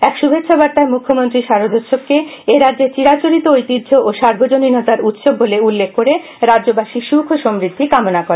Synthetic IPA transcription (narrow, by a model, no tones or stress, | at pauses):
ɛkʃubʱet̪ːʃʰabaɾt̪aemukʰːomont̪ɾiʃaɾod̪ʱotʃob̚keeɾadd͡ʑeɾt͡ɕiɾat͡ɕoɾit̪oojt̪idd͡ʑʱoʔoʃaɾbʱod͡ʑoninot̪aɾut̪ʃobːoleulːekʰːoɾe | ɾadd͡ʑobaʃiʃukʰoʃɔmɾid̪ʱːikamonakoɾee